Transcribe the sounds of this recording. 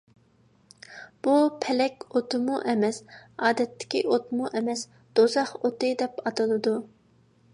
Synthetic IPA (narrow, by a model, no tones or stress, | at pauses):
b̥upʰɛlɛkʲot̪ʰɨmuʔɛmɛsɑːd̪ɛt̪ʰːɪ̥kʲiʔot̪muʔɛmɛs | d̪̥ozɑχot̪ɨd̪ɛpɑt̪ɨlˠɨd̪u